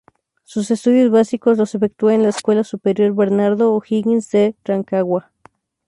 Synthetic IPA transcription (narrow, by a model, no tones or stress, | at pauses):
sus̬e̞st̪uðjozβasikoslosefek̚t̪ueenlaeskwe̞lasupeɾjo̞ɾβeɾnaɾðoːxiɣinsderaŋkaɣwa